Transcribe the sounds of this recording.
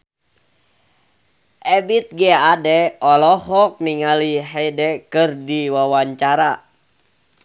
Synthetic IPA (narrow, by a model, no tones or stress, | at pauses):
ʔɛbit̪̚ɡɛadɛɔlɔhɔk̚niŋaliɦɛdɛkɨrdiwawaɲt͡ʃaɾa